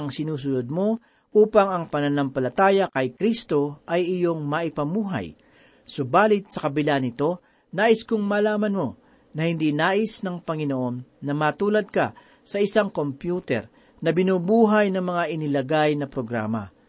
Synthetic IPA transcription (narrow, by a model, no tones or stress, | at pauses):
ɐŋsɪnuːs̬ʊlod̪̚mo̞ | ʔuːpɐŋɐŋpɐnɐnɐmpɐlɐt̪aːjɐkɐjkɾist̪o̞ʔɐjɪjo̞ŋmɐʔɪpɐmuːɦɐ̰j | sobaːlɪt̪̚sɐkɐbɪlanɪt̪o̞ | naːʔɪskʊŋmalaːmɐnmo̞ | nɐhɪnd̪inaːʔɪsnɐŋpɐŋɪnoʔo̞nːɐmɐt̪uːlɐd̪̚kɐ | sɐʔɪsaŋko̞mpjuːt̪ɛ̰ɾ | nɐbɪnuːbuːɦɐjnɐŋmɐŋaʔɪnɪlɐɡajnɐpɾoɡɾa̰ːmɐ̰